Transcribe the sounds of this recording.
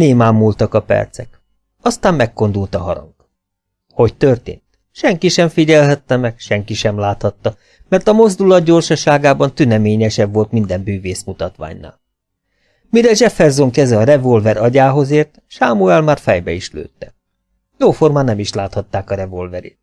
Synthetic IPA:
neːmaːmːult̪ɒkɒpɛ̰rt̪sɛk | ɒst̪aːmmɛkːo̞nd̪ult̪ɒɦɒɾɒ̰ŋk | ho̞ct̪ørt̪ḛːnt̪ | ʃɛŋkiʃɛɱfiɟɛlɦɛt̪ːɛmɛkʃɛŋkiʃɛmlaːt̪hɒt̪ːɒ | mɛrt̪ɒmo̞zd̪ulɒd̪ɟo̞rʃɒʃaːɡaːbɒnt̪ynɛmeːɲɛʃɛbvo̞lt̪mind̪ɛmbyːveːsmut̪ɒt̪ʋa̰ːɲna̰ːl | miɾɛʒɛfɛrzo̞ŋkɛzɛɒɾɛvo̞lvɛɾɒɟaːɦo̞zeːrt̪ʃaːmuɛlmaːrfɛjbɛiʃlø̰ːt̪ːɛ | joːformaːnɛmiʃlaːt̪hɒt̪ːaːkɒɾɛvo̞lvɛɾḛːt̪

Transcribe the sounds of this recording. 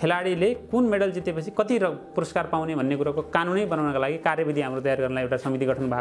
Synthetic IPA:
kʰelaɽilekunmeɽʌld͡zit̪epʌt͡sʰikʌt̪iɾʌpuɾʌskarpawnebʱʌnːekuɾakokanunʌjbʌnawnʌkalaɡikarjʌbid̪ʱiɦamrot̪ʌjarɡʌrnʌlajewʈasʌmit̪iɡʱʌʈʰʌnbʱa

